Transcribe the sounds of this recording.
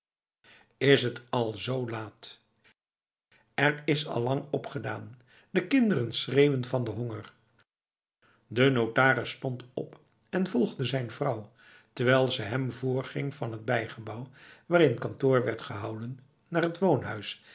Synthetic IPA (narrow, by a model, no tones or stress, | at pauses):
ɪsɦətɑlˠzowlaːt | ɛrɪsɑ̰lˠːɑŋɔpχədaːn | d̥əkɪndərənsrejwənvɑndəɦɔŋər | dənowtaːrəsːtɔntɔ̰p | ɛnvɔlˠχdəzɛjnvrɑw | təɹʋɛjlˠzəɦɛmvʊːɹχɪŋv̥ɑnɦəd̚bɛjχəbɑwʋaːɾɪnəkɑntʊːɹʋɛɹtχəɦɑwdənː | aːrɦətʋownɦœɥs